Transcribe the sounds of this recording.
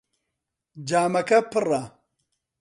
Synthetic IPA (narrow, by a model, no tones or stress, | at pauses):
d͡ʒaːmɐkɐpɨra